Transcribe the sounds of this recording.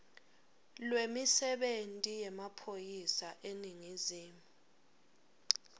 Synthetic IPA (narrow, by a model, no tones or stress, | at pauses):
lwemisɛɓentʼijɛmapʰojisaʔeniŋiziːmu